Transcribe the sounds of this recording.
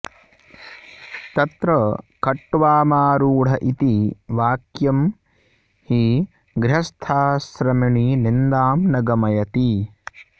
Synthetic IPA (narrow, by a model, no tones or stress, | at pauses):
t̪ɐt̪ɾɐkɐʈːʋaːmaːɾuːɽ̤ɐʔit̪iʋaːkjɐm | hi | ɡɾɦɐst̪ʰaːsɾɐmiɳinind̪aːmnɐɡɐmɐjɐt̪i